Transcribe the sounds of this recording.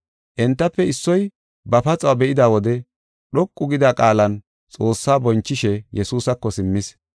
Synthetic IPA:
ʔɛnt̪ːɐpːɛɪsːɔj | bɐpɐt͡sʼɐwɐbɛʔɪd̪aːwɔd̪ɛ | ɗɔkʼːʊɡɪd̪aːkʼaːlɐn | t͡sʼo̞ːsːaːbɔnt͡ʃːɪʃɛjɛsuːsɐkːɔsɪmːɪs

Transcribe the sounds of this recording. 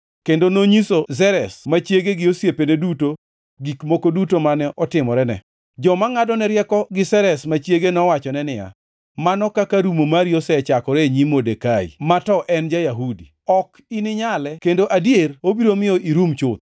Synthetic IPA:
kendonoɲisozɛɾɛsmat͡ʃjeɡeɡɪosjepeneduto | ɡikmokodutomanɛʔɔtɪmɔɾɛnɛ̰ | d͡ʒɔmaŋadɔnɛɾjɛkɔɡɪsɛɾɛsmat͡ʃjeɡenɔwat͡ʃɔnɛnɪja̰ | manɔkakaɾumomaɾjosɛt͡ʃakɔɾɛɲimodekaḭmatɔʔɛnd͡ʒajaɦudi | ɔk | inɪɲalɛkendoʔadjerobiɾomɪɔʔiɾumt͡ʃʊt̪̚

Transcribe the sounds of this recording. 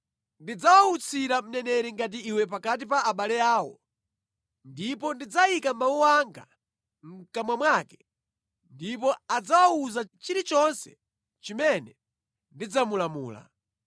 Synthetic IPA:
ndid͡zawaut͡sʰiɾam̩nɛnɛɾiŋɡat̬iiwɛp̬akat̬ipaːɓalɛaːwɔ̰ | ndipɔndid͡zaikamawuwaŋɡa̰ | ŋ̩kamwamwakɛ | ndip̬ɔad͡zawauzat͡ʃiɾit͡ʃɔnsɛ̰ | t͡ʃimɛnɛ | ndid͡zamulamṵːla̰

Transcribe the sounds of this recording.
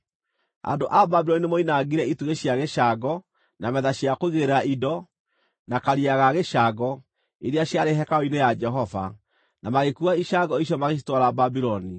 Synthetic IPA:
a̰ndoʔababiɾɔninemoinaɣiɾɛituɣeɕjaɣeʃaɡɔ | namɛðaɕjakoiɣeeɾeɾaidɔ | nakaɾiaɣaɣeʃaɡɔ | eɾeaɕjaɾeɦɛkaoinejad͡ʒɛɦɔva̰ | namaɣekuaiʃaɡɔiɕ̬jɔmaɣeʃ̬i̥twaɾababiɾɔni

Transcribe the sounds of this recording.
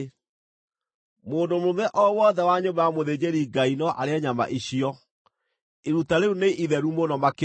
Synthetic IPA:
moːndomomɛʔɔwɔðɛwaɲombajamoðed͡ʑeɾiɡainɔʔa̰ɾeaɲama̰ʔiɕiɔ | eɾutaɾeuneʔiðɛɾumonɔmake

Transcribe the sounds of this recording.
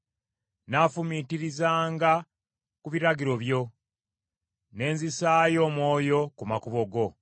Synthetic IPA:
naːfumitiɾizaːŋɡa | kuβiɾaɡiɾo̞βjo̞ | ne̞ːnzisaːjo̞ːmwo̞ːjo̞kumakuβo̞ɡo̞

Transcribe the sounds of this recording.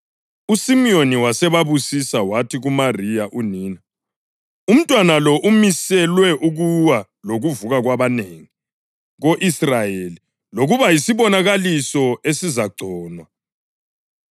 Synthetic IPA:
usimioniwasɛβaβusisawatʰiɣumarijaʔuniːna | um̩tʼwanalɔʔumisɛlwɛʔuɣuwa | loɣuvuɣaɣwaβaneːŋi | ɣoʔisrajeli | loɣuβajisiβɔnaɣalisɔesizaɡ͡ǀʱɔːnwa

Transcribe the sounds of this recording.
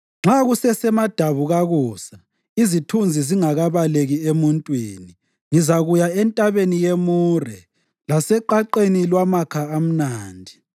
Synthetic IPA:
ŋ͡ǁaɣusɛsɛmad̥ʱaβuɣaɣuːsa | izitʰund͡zʱiziŋaɣaβaleɣiemuntʼwiːni | ŋizaɣujaɛntʼaβenijemuːrɛ | lasɛǃaǃenilwamakʰaam̩naːndʱi

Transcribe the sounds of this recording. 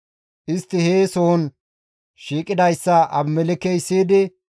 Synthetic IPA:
ʔɪst̪ːɪheːsoɔn | ʃiːkʼɪd̪ɐjsːɐʔɐbmɛlɪkɛjsːiːd̪ɪ

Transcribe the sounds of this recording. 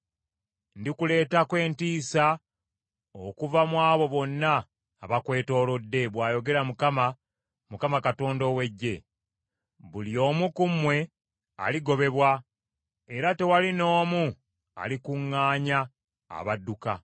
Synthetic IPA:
ndikule̞ːtakwe̞ːntiːsa | okuvamwaːβo̞βo̞nːaː | βakwe̞ːto̞ːlo̞dːe̞βwaːjo̞ɡe̞ɾamukama | mukamakato̞ːndo̞we̞ɟːe̞ | βuljo̞ːmukumwe̞ | a̰liɡo̞βe̞βwa | e̞ɾate̞walino̞ːmu | a̰likuŋːaːɲa̰ː | βadːuka

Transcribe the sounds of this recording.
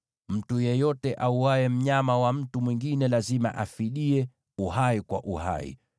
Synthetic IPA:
m̩tujɛjɔtɛʔauwaɛm̩ɲamawam̩tumwiŋɡinɛlazima̰ʔafiɗiɛ | uhaikwa̰ʔuha̰ḭ

